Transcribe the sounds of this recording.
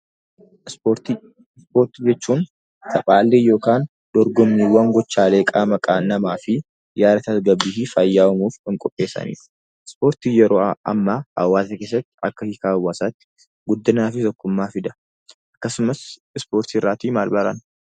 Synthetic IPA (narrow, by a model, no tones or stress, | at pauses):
oɾt̪ | ɪspo̞ːɾt̪id͡ʒɛt͡ʃːuːn | sɐpʼaːlːejo̞ːkaːn | d̪̥ɔɾɡɔmːiːwɐŋɡɔt͡ʃːaːleːkʼaːmɐkʼaːnɐmaːfɪ | jaːɾɐt̪ɐsɡɐbːiːhɪfɐjːaːwɐmuːfɪŋkʼɔpʼːe̞ːsːɐ̰nḭːɾʊ̥ | ɪspo̞ːɾt̪iːjɛɾoːʔɐ̰mːaːʔɐ̰wːaːsɐkeːs̬ːɐt̪ːɪ̥ɐkːɐhɪkaːwːaːsat̪ːɪ̥ | ɡʊd̪ːɪnaːfɪt̪ɔkːʊmːaːfɪd̪ɐ | ʔɐkːɐsʊmɐs | ɪspo̞ːɾt̪irːaːt̪iːmaːlbɐɾɐ̰n